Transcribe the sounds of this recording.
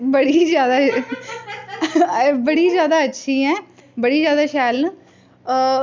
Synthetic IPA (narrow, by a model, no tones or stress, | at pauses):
bəɽiːzjaːd̪aː | bəɽiːzjaːd̪aːətːʃʰiːɛ̃ːbəɽiːzjaːd̪aːʃɛːln